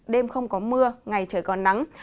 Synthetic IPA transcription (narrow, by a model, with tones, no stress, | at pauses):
ɗe˧mxə˧wŋ͡mkɔ˨˦mɨ˧əŋa˨˩jt͡ɕəː˧˩jkɔ˨˩na˨˦ŋ